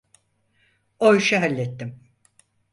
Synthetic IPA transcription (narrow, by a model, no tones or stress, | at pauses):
ojʃaɦalʲːɛt̪ːim